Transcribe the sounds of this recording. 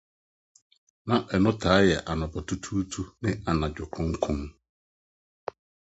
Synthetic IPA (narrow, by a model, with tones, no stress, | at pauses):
nã˨ʔɛ˨nʊ̃˦tʰaː˨˦jɛ˨ʔa˨nʊ̃˨bɔ˨tʰu˦tʰu˦tʰu˦nɪ̃˦a˨nã˨d͡ʑᶣʊ˨kʰɾʊ̃˦ŋ̩˦kʰʊ̃˦n